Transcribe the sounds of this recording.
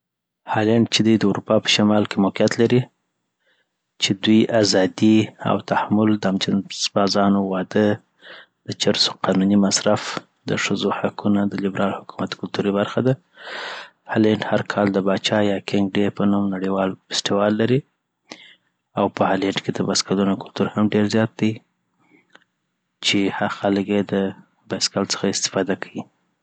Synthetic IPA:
hɑleɳɖt͡ʃed̪ajd̪əuɾupɑpə̥ʃamɑlkemʊqijat̪laɾi | t͡ʃed̪ujazɑd̪ia̰wt̪ahamʊld̪əamt͡ʃasbɑzɑnowɑd̪ə | d̪̥ət͡ʃaɾso̥qɑnunimasɾaf | d̪ə̰ʂəzohakunad̪əlɪbɾʔɑlhʊkumat̪kʊlt̪uɾibaɾxad̪a | haleɳɖhaɾkʰɑld̪əbɑt͡ʃɑjɑkɪŋɡɖepənumnaɽiwɑlfɪ̥stiwɑlːaɾi | awpəhaleɳɖked̪əbaskalunokʊlt̪uɾhamɖeɾzjɑt̪̚d̪ej | t͡ʃehaxaləkjed̪ə | baskalt͡sə̥xaɪst̪ɪ̥fɑd̪akʰawi

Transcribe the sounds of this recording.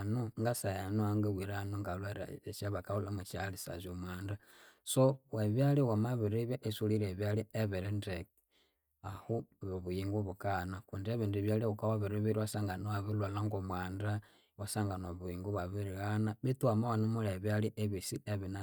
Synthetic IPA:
nuŋɡasajanuaŋɡawiɾanuŋɡalwaɾa̰t͡ʃaβakaulamet͡ʃalisa̰zomwaːndasoweβjaliwamaβiɾiβjaʔesuliɾeβjalieβeɾindek | ahuβoβujiŋɡuβukanakundeβindiβjaliukawaβiɾiβiɾiwasaŋɡanoaβilwalaŋɡomwaːnda | wasaŋɡanoβuiŋɡuβaβiɾiɣanaβituamawanumulaβjaliʔeβisieβina

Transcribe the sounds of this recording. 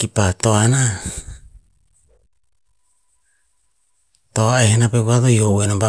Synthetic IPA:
kipatoaena | toaehenapekuatojoʔwenaba

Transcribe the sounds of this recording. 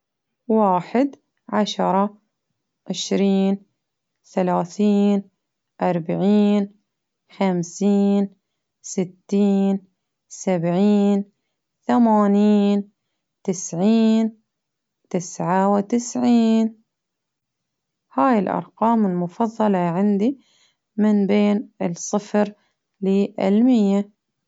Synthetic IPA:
waːħɪd̪ | ʕaʃɑɾˤɑ | ʕɪʃɾiːn | θalaːθiːn | ʔɑɾˤbaʕiːn | xamsiːn | sɪt̪ːiːn | sabʕiːn | θamaːniːn | t̪ɪsʕiːn | t̪ɪsʕawɪt̪ɪsʕiːn | haːjɪlʔɑ̰ɾˤqɑːmɪlmʊfɑðˤːɑlɑʕɪnd̪i | mɪnbeːnɪsˤɨfɾ | lɪʔɪ̰lmɪjːa

